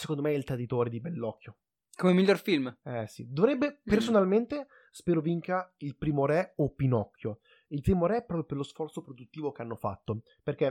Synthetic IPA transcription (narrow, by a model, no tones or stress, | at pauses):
se̥kond̪omeɛilt̪ɾad̪it̪oːɾed̪ibɛlːɔkʰːjo | komemiʎːorfilmɛsḭd̪ovɾɛbːepersonalment̪e | spɛːɾoviŋkailpɾiːmoɾɛopːinɔkʰʲːjo | ilt̪imoɾɛpːɾɔːpɾjoperlosfɔrt̪sopɾod̪ut̪ːiːvokeanːofa̰t̪ːo | perk̟e